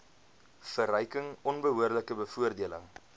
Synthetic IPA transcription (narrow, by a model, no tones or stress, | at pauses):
fərœjkəŋɔnbəɦuərdləkəbəfuərdiələ̰ŋ